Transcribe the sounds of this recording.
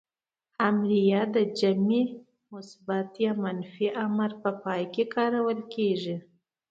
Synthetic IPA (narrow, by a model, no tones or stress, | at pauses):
amɾijɑd̪əd͡ʒami | mʊsbat̪jɑmanfiʔamaɾpəpɑjkekɑɾawəlkʰeʒi